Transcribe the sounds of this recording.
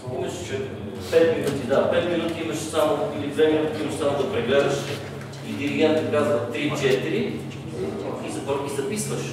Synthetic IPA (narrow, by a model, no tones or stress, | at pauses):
imɐʃt͡ʃɛ | pɛt̪minut̪id̪apɛt̪minut̪iiməʃsamoilid̪vɛminut̪ik̪imɐʃsamod̪ɐpɾiɡɛɾəʃ | id̪iɾiɡʲɛnt̪əkazvət̪ɾit͡ʃɛt̪iɾi | izɐt̪ɔɾkʲizɐpisvəʃ